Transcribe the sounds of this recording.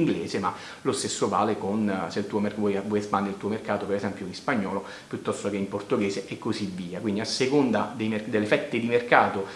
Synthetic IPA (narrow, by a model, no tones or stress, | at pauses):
ŋɡleːzema | lost̪esːova̰ːlekonseilt̪uːomeɔjvwɔːjespand̪eɾilt̪uːomerkaːt̪opeɾezɛmpjoinspaɲːɔːlo | pjut̪ːɔst̪okeimport̪oɡɛːzeʔɛkːozivːiːakwind̪iasːekond̪ad̪ejmerd̪elːefɛt̪ːed̪imerkaːt̪o